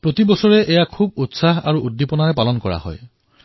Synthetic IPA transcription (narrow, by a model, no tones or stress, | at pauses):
pɹot̪ibɔsɔɹɛʔɛjakʰubutsaɦa̰ɹuudːipɔnaɹɛpalɔnkɔɹa̰ɦɔ̰j